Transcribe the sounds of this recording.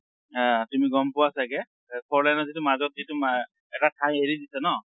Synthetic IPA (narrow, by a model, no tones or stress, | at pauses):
ãtumiɡɔmpʊwasaɡɛ | kʰɔɹlajnɔzitumazɔt̚zituma | ɛtatʰãj̃eɹidisanɔ